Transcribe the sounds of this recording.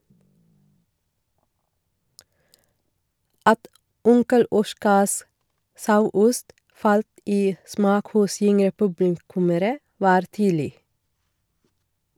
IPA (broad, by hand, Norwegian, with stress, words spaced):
ˈɑt ˈʊŋkəl ˈɔʃkɑs ˈsɑʉˌʊst ˈʔfɑlt ˈiː ˈsmɑːk ˈhʊs ˈʏŋɾə ˈpʉblɪˌkʉməɾə ˈʋɑːɾ ˈtyːdl̩ɪ